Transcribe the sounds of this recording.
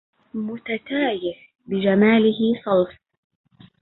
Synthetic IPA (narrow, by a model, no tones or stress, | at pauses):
mʊt̪at̪aːjɪf | bɪd͡ʒamaːlɪɦɪsˤɑlf